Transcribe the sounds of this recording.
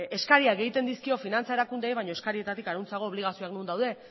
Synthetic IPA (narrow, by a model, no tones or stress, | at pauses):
eskaɾiaɡe̞jt̪e̞nd̪iskio̞finant͡sae̞ɾakund̪ejβajɲo̞eskaɾie̞t̪at̪ikaɾunt͡saɣo̞ːβliɣasioaknund̪awðe̞